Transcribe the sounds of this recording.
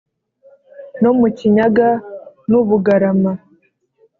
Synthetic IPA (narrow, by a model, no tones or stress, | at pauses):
nomuciɲaɡanuβuɡaɾama